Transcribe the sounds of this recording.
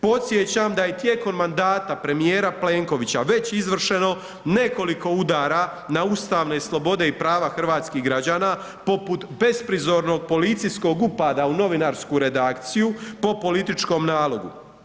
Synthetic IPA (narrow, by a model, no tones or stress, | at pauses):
po̞t̪sjet͡ɕamd̪aje̞t̪jeko̞mːand̪aːt̪apɾe̞mijeːɾaple̞ːŋko̞ʋit͡ɕaʋe̞t͡ɕizʋr̩ʃe̞no̞ | ne̞ko̞liko̞ud̪aːɾa | naust̪aːʋne̞slˠo̞bo̞d̪e̞ipɾaːʋaxr̩ʋaːt̪skiɦɡɾad͡ʑaːna | po̞put̪be̞spɾizo̞ɾno̞ɡ̚po̞lit̪sisko̞ɡupaːd̪auno̞ʋinaːɾskuɾe̞d̪akt̪sijupo̞po̞lit̪it͡ʃko̞ːmnaːlo̞ɡṵ